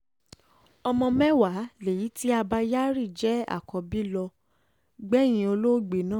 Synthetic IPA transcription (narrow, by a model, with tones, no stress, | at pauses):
ɔ˧mɔ̃˧mɛ˦wa˨˦le˨ji˨˦ti˦a˧ba˧ja˦ɾi˦˨d͡ʒɛ˨˦a̰˦˨kɔ˧bi˦lɔ˧ | ɡ͡bɛ˦j̃ĩ˧o˧lo˦ɡ͡be˨nãː˦˨